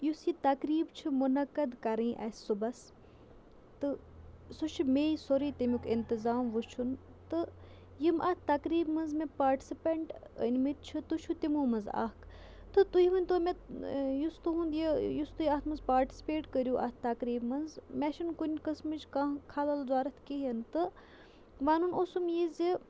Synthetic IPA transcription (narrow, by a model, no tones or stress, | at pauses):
jusjit̪ɐkɾiːbt͡ʃʰumunɐkːɐd̪kɐɾĩːʔɐ̰ːsʲsubɐs | t̪ɨ | sot͡ʃʰimeːisoɾiːt̪imikɪnt̪ɪzaːmʋut͡ʃʰunt̪ɨ | jimʔaːt̪̚ʰt̪ɐkɾiːbmɐnzmẽpaːɾʈi̥sipɐɳʈə̰nʲmit̪̚t͡ʃʰɨt̪ut͡ʃʰut̪imuːmɐnza̰ːkʰ | t̪ɨt̪ujiʋɐnʲt̪umejust̪uɦund̪jijust̪ujaːt̪ʰmɐnzpaːɾʈi̥si̥peːʈkəɾjuʔa̰t̪̚ʰt̪ɐkɾiːbmɐnzmʲɛʃinkunʲkɐsmɨt͡ʃkakʰaːlɐlzaːɾɐt̪ʰkiɦɐnt̪ɨ | ʋaːnunosumjizi